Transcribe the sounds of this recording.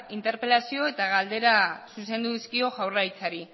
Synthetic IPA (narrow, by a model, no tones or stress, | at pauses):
int̪e̞ɾpe̞lasio̞e̞t̪aɣald̪e̞ɾasuse̞nd̪uðiskio̞ʝawrajt͡saɾi